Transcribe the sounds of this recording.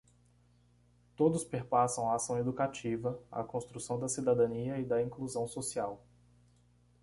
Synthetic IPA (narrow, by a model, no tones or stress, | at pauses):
t̪od̪ʊspeɾpasɐ̃w̃ɐasɐ̃w̃ed̪ukat͡ʃivɐɐ̰kõst̪ɾusɐ̃w̃d̪ɐsid̪ad̪ɐ̃niɐid̪ɐĩkluzɐ̃w̃sosiaw